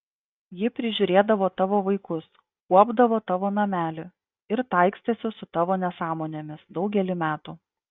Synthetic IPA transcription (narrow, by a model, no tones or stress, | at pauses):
jɪpʲɾʲɪʒʲʊɾʲeːd̪ɐʋoːt̪ɑːʋoːʋɐɪkʊs | kuɔbd̪ɐʋoːt̪ɑːʋoːnɐmʲæːlʲɪ | ɪɾt̪ɐˑɪksʲt̪ʲesʲɪsʊt̪ɑːʋoːnʲɛsɑːmoːnʲeːmʲɪsd̪ɒʊɡʲɛlʲɪmʲæːt̪uː